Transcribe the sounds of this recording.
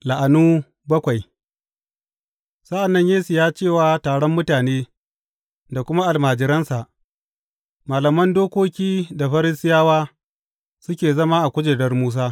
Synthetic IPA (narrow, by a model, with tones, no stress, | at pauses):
la˨ʔa˨nuː˦ | bɐ˦kʷa˨j | sɐ˦ʔa˨nːɐ˦ɲjeː˦sɪ˨jaː˦t͡ʃeː˦˨waː˦taː˨ɽɔ˦mːʊ˦taː˨neː˦ | da˨kʷʊ˦ma˦ʔa˨lmaː˨d͡ʒɪ˨ɾɐ˦nsa˨ʔ | maː˨lɐ˨mɐ˦ndoː˦kʷoː˦kʲiː˦da˨ɸɐ˦ɾɪ˦sɪ˦jaː˦waː˦ | sʊ˦kʲeː˨zɐ˦maː˦ʔa˨kʷʊ˦d͡ʒe˨dɐ˦rmuː˦s̬aː˦